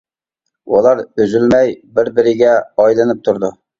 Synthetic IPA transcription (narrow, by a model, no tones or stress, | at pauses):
ʔulˠɑɾøzylmɛjbɪɾbɪɾɪɡʲɛɑjlˠɨnɨp̚t̪ʰuɾd̪u